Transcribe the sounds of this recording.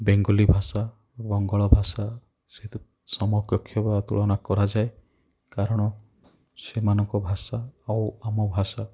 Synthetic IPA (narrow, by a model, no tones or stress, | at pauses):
beŋɡɔlibʱasa | bɔŋɡɔɭɔbʱasa | set̪ | sɔmɔkjɔkʰːjɔbat̪uɭɔnakɔɾad͡ʒae | kaɾɔɽ̃ɔ | semanɔŋkɔbʱasaːwamɔbʱasa